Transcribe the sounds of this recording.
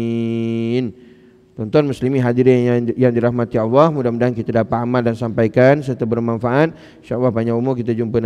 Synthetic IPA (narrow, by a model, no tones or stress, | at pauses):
n | t̪ɔnt̪ɔnmuslimiɦadiɾijaŋdiɾahmat̪iɔlːɔhmudahmudaɦankit̪adapat̪amaldansampajkansərt̪abərmanfaʔat̪̚ | ʃalːɑhbaɲaumukit̪ad͡ʒumpan